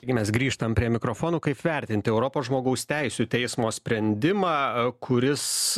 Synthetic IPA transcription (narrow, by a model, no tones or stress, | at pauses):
ɐɪɡʲɪmʲɛsɡɾʲiːʃt̪ɐmpʲɾʲiɛmʲɪkɾofoːnuːkɐɪpʋʲɛɾʲt̪ʲɪnʲt̪ʲɪɛʊɾopoːsʒmoːɡɐʊsʲt̪ʲɛɪsʲut̪ʲɛɪsmoːsʲpʲɾʲɛnʲd̪ʲɪmɑːkʰʊɾʲɪs